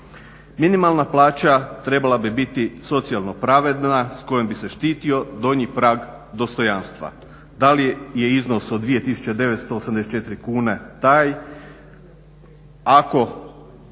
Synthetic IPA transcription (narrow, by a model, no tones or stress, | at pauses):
minimalˠnaplˠaːt͡ɕat̪ɾe̞balˠabibit̪iso̞t̪sialˠno̞pɾaʋe̞d̪nasko̞je̞mbise̞ʃt̪iːt̪io̞d̪o̞ɲipɾaːɡ | d̪o̞st̪o̞janst̪ʋa̰ | d̪alije̞izno̞sod̪d̪ːʋije̞t̪isu̥t͡ɕed̪e̞ʋet̪st̪oːsamd̪eset͡ʃet̪ɾikuːne̞t̪aːj | ako̞